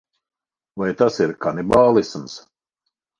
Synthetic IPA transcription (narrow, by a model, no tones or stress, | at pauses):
vajt̪asiɾkanibaːlˠisms